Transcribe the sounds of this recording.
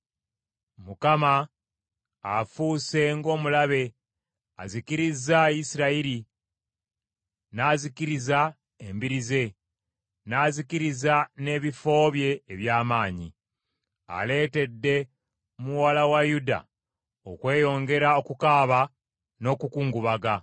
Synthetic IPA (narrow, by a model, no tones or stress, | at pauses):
mukama | fuːse̞ŋɡo̞ːmulaβe̞ | a̰zikiɾizajisiɾaiɾi | naːzikiɾiza | embiɾize̞ | naːzikiɾizane̞ːβifo̞ːβje̞ːβjaːmaːɲḭ | a̰le̞ːte̞dːe̞ | muwalawajuda̰ | okwe̞ːjo̞ŋɡe̞ɾao̞kukaːβa | no̞kukuːŋɡuβaɡa